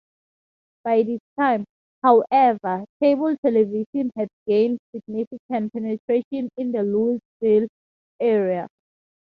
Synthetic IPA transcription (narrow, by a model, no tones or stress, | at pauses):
b̥ajdistʰãɪ̃m | hawʔɛvətʰebɔltʰɛlɛviʃɔ̃nhɛdɡẽndsiɡ̚nifikãnpʰɛnɛtʰɹeʃɔ̃nĩndəlusfil | ɛɹia